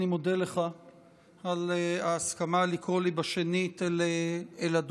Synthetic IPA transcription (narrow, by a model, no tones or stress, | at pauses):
imo̞deleχa | aleaːskamalikʁolibaʃenitleelad